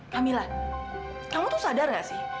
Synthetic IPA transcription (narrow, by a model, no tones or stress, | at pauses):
kamilah | kamut̪usadarjasɪh